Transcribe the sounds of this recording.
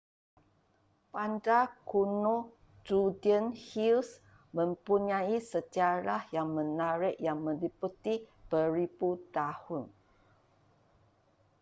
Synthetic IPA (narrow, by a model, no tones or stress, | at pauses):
pandakuno | d͡ʒudiənhils | mə̃mpuɲaisət͡ʃaɾajaŋmə̃naɾɪʔjaŋmə̃liput̪ib̥əɾibut̪ahʊn